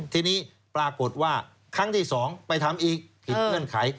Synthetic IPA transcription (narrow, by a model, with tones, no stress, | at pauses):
t̪ʰiː˧niː˦˥˩ | pɾaː˧ko˨˩t̪̚waː˥˩ | kʰa˦˥˩ŋt̪ʰiː˥˩sɔː˩˦ŋpa˧jt̪ʰa˧mʔiː˨˩k̚pʰi˨˩ŋɯ˥˩ənkʰa˩˦j